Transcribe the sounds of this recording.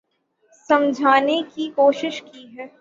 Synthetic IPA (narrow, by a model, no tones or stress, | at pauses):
sɐ̃md͡ʒʱaːnekikoːʃɪʃkiɦɛː